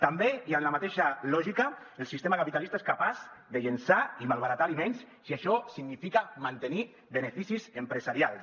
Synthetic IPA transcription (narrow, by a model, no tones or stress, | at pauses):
t̪ambeiamlamat̪eʃalɔʒikaelˠsist̪emakapit̪alist̪aeskapazðeʎensaimalˠβaɾat̪alimẽns | siaʃɔsiɡnifikamant̪eni | βenefisizempɾezaɾial